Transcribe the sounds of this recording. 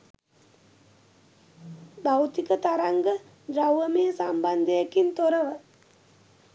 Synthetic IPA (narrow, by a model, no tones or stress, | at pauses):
bawt̪ikət̪aɾaŋɡə | rawʋəmeːsamband̪əjakint̪oɾəʋə